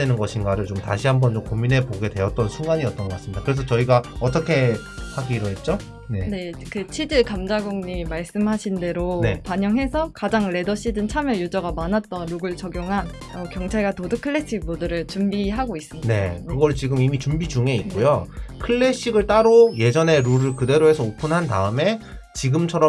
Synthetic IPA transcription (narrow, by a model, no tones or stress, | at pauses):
twenɯnɡʌɕʰinɡaɾɯɭt͡ɕomta̰ɕʰiɦambʌnt͡ɕomkomːine̞poɡe̞dwe̞ʌt̚t͈ʌnsʰuŋɡaɲiʌt͈ʌnɡʌk͈as͈ɯmɲidakɯɾe̞s̬ʰʌt͡ɕʌiɡaʌt̬͈ʌkʰe̞ | haɡiɾoɦe̞t̚t͡ɕ͈o | nene̞kɯt͡ɕʰid͡ʑɯɭkamd͡ʑaɡoŋɲimaɭs͈ɯmɦaɕʰinde̞ɾonepaɲʌŋɦe̞sʰʌkad͡ʑaŋɾe̞dʌɕ͈ʰidɯnt͡ɕʰamjʌjud͡ʑʌɡamanat̚t͈ʌnɾuɡɯɭt͡ɕʌɡjoŋɦan | ʌkjʌŋt͡ɕʰaɭɡatodɯkʰɯɭːe̞ɕ͈ʰiɡbodɯɾɯɭt͡ɕumbiɦaɡois͈ɯmɲine̞̰kɯɡʌɭt͡ɕiɡɯmimit͡ɕumbid͡ʑuŋe̞ikk͈ojokʰɯɭːe̞ɕ͈iɡɯɭt͈aɾoje̞d͡ʑʌne̞ɾuɾɯɭkɯde̞ɾoɦe̞sʰʌopʰunɦanda̰ɯme̞t͡ɕiɡɯmt͡ɕʰʌɾʌ